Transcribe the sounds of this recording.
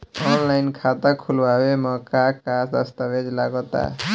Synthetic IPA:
ɔnlajnkʰat̪akʰulbaemɔkakad̪əst̪abed͡ʒlaɡɔt̪a̰

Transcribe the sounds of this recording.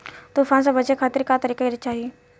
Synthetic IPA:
t̪uːfʰãːns̬ãbəd͡ʒekʰaːt̪ɪɾkat̪əɾiːkaid͡ʒt͡ʃaːɦije

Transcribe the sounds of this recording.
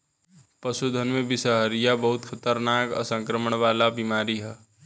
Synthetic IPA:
pəsud̪ʱənmẽbɪsəɦəɾijabəɦʊt̪kʰət̪əɾnaːkə̰sə̃ŋkɾəməɳ̃ʋaːlabimaːɾiɦɛː

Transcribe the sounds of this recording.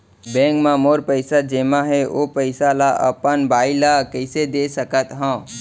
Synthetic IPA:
bɛ̃ːŋkmãmoːɾpəɪsad͡ʒeːmaɦɛoːpəɪsalaʔə̰pənbaːilakəɪsed̪eːsəkət̪ɦãː

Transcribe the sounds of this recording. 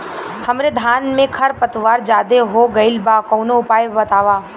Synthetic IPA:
hɐmɾed̪ʱaːnmẽkʰɐɾpɐt̪ʋaːɾd͡ʒaːd̪eɦoɡɐɪlbaːkɔːnoʊpaːjbɐt̪aːʋaː

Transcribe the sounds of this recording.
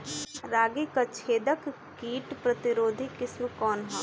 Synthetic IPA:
ɾaːɡikat͡ʃʰeːd̪əkː | iːʈpɾɐt̪ɪɾoːd̪ʱikɪsmkɔːnɦoː

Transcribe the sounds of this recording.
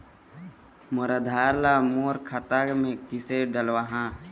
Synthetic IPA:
məɾəd̪ʱaːɾlamoːɾkʰat̪amẽkɪseɖəlwaɦã

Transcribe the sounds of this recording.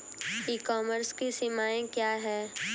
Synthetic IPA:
iːkɔːməɾskisɪmaːẽkjaːɦɛː

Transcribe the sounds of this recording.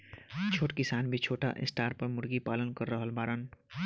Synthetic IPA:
t͡ʃʰoːʈkisaːnbʱit͡ʃʰoːʈa̰ʔḛsʈaːɾpəɾmʊɾɡipalənkəɾːəɦəlbaːɾən

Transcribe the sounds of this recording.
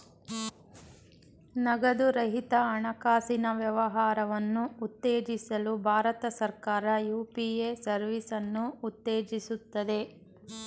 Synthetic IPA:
nɐɡɐd̪uɾɐɦit̪ɐːɳɐkaːsinɐʋjɐʋɐɦaːɾɐʋɐnːuːt̪ːe̞ːd͡ʒisɐlubʱaːɾɐt̪ɐsɐɾkaːɾɐjuːpiesɐɾʋisɐnːuːt̪ːeːd͡ʒisut̪ːɐd̪e̞

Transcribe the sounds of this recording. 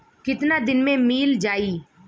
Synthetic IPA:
kɪt̪nad̪ɪnmẽmiːld͡ʒaːiː

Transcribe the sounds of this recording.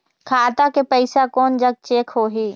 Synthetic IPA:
kʰaːt̪akepəɪsakɔːnd͡ʒəɡ̚t͡ʃeːkʰɦoːɦiː

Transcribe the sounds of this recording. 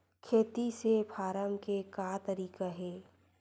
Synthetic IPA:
kʰeːt̪isepʰaːɾəmkekaːt̪ɐɾiːkaɦɛː

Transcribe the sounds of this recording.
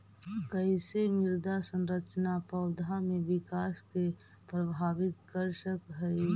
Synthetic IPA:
kəɪsemɪɾd̪asənɾət͡ʃnapʰəʊd̪ʱamẽʋɪkaːske | pɾəbʱaːbɪt̪kəɾsəkɦɛi

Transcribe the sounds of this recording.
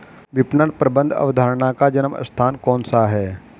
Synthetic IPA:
ʋɪpnəɽpɾəbə̃nd̪ʱɐ̰ʋəd̪ʱaːɾɳakad͡ʒənəmə̰st̪ʰaːnkɔːnsaɦɛː

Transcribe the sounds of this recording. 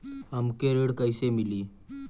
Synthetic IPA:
əmkeɾəɽkajsemiliː

